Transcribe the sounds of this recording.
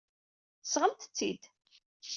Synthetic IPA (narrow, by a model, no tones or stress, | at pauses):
θəsʁəmt̪ə̥t͡sːid̪